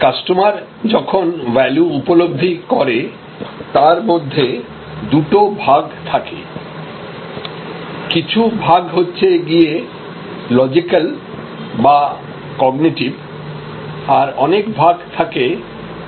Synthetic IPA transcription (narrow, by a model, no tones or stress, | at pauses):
kasʈomaɾ | d͡ʑɔkʰonvɛljuupolob̚d̪ʱːikɔɾe | t̪aɾmod̪ʱːe | d̪uʈobʱaɡt̪ʰakḛ | kit͡ɕʰubʱaɡɦotːɕʰeɡie | lɔd͡ʑikal | ba | kɔɡniʈib | aɾɔnekbʱaɡt̪ʰake